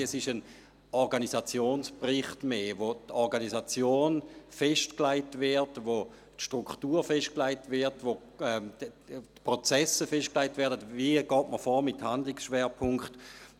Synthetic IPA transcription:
ɛsɪʃən | ɔʁɡanisat͡sjoːnsprɪχtmeːvotʰɔʁɡanisat͡sjoːnfɛʃtklaɪtvɪɐtʋo | tʃtʁukχtuːʁfɛʃtklaɪtvɪɐtvo | ɛ | tpʁot͡sɛsəfɛʃt̚klaɪtvɛːɐdətviɡ̥ɔːtməfɔːmɪthandlɪksʃʋɛːɐpʰʊŋkχt

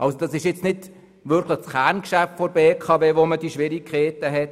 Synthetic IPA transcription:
ʔɑlsod̥ɑsɪʃjɪt͡stnɪt | ʋʏɾkʰləχsχærnkʃæftfɔɾbeːkʰɑveːʋomədiʃʋɪɾikʰeːtəɦɛt

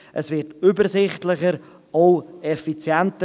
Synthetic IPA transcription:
ʔəsvɪtybəɾsɪχtlɪχəɾ | oʊɛfit͡sjɛntə

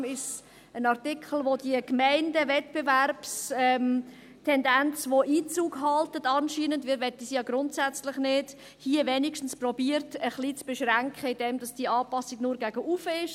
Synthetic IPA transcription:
mɪʃ | ənɑɾtɪkχl̩ˠʋodiəkmɛɪndəvɛtb̥eværpsɛm | tʰɛndænt͡svoʔiːt͡suːɡɦɑltətɑnʃiːnəndʋiːɾʋɛtəsijɑɡɾʊntsæt͡slɪχnɪːd̥ | hiːəvɛːnikʃtn̩sprɔbiːəɾtəχlit͡sb̥eʃʁæŋkχəid̥ɛmd̥ɑsd̥iəɑːpɑsiɡnʊːɾɡæɡəʔufəɪʃ

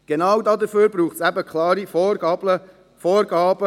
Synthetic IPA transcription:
ɡ̥enɑwd̪ɑːd̪əføːɾbɾuːχtsæbəkʰlɑːɾifɔbə | fɔːɾɡɑːb̥ə

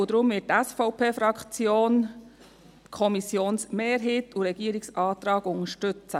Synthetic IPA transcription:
ud̥̪ɾʊmvɪt̚tæsfɔʊpʰeːfɾɑkt͡sjoːn | kʰɔmisjoːnsmeːɾɦeːtuɾɛɡ̥iːɾɪksɑːt̪ɾɑːɡʊŋəʃtʏt͡sə

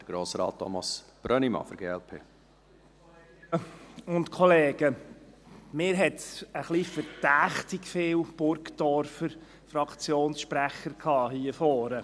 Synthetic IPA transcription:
d̥əɾɡ̥ɾoːsɾɑ̰ːt̚ʰːɔ̰mɑsb̥ɾœnimɑ̰fɔɾɡeːɛlpʰḛː | ʊnt̪kʰɔleːɡ̥ə | mɪːɾɦɛt̪əχlifəɾd̥æːχt̪ɪkfɪːwb̥ʊɾkd̥̪ɔɾfəɾ | fɾɑkt͡sjoːnsʃpɾæχəɾkʰɑːhiːəfɔːɾə

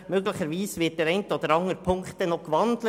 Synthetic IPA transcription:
møɡlɪçəɾʋiːsʋɪt̚d̥ɛːɾɛɪntod̥̪əɾɑŋəɾpʰʊŋktənɔχkʋɑndlə

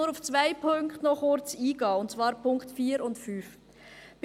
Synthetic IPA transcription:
uɾuft͡svaɪpʰøŋktnɔχʊɾt͡siːɡɑːʊntt͡svɑːɾpʰʊŋktfiːɾʊntfyːf | b̥

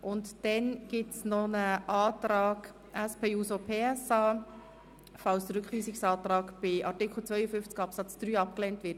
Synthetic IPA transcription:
ʔʊntd̥ɛnɡ̥ɪtsnɔnəʔɑːtɾɑːɡ | ʔæspʰeːuːsopʰeːɛsɑː | fɑlsdəɾʏkχlyːsɪksɑːtɾɑːɡb̥ɪʔɑɾtɪkʰl̩t͡sʋœʏəfʏft͡sɡɑpsɑt͡sd̥ɾyːɑp̚klɛːntʋɪt

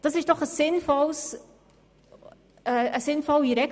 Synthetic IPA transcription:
d̥ɑsɪʃd̥ɔχəsːɪnfɔls | əəsɪnfɔliɾɛk

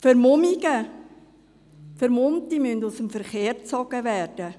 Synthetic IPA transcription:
fəɾmʊmiɡə | fəɾmʊmtimyndusəmfəɾχeːɾt͡sɔɡəvæːrd̥ə

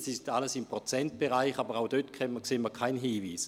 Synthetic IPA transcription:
sɪstaləsimpʁot͡sɛnt̚b̥eʁaɪχabəʁaʊd̥øtkʰɛməkseːməkʰaɪnɦiːviːs

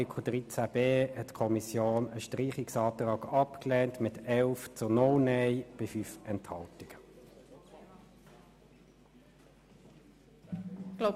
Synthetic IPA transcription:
kʰud̥ʁiːt͡sæb̥eːhɛtːkʰɔmisjoːnəʃtʁiːχɪksɑːt̪ʁɑːɡɑpklɛːntmɪtɛlft͡sʊnɔwnɛɪb̥ɪfyːfɛnthɑltɪɡ̥ə | ɡ̥l

